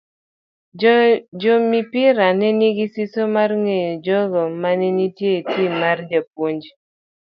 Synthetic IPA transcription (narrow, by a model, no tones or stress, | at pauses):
d͡ʒomipɪɾanɛniɡisisomarŋejɔd͡ʒɔɡɔmanɛnitjetjemard͡ʒap̚woɲd͡ʒ